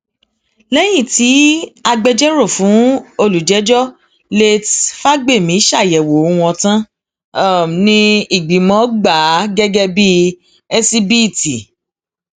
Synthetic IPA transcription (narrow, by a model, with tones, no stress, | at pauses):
lɛ˦j̃ĩ˦˨ti˨˦a˧ɡ͡bɛ˧d͡ʒɛ˦ɾo˦˨fũ˨˦o˧lu˨d͡ʒɛ˨˦d͡ʒɔ˦ | le˧tfa˦ɡ͡be˦˨mĩ˨˦ʃa˦˨jɛ˨wo˨˦w̃ɔ̃˧tã˦˨ | nĩ˧i˦˨ɡ͡bi˨˦mɔ̃˨˦ɡ͡ba˨˦ɡɛ˦ɡɛ˦˧bi˦ | ɛ˦si˧bi˦˨ti˨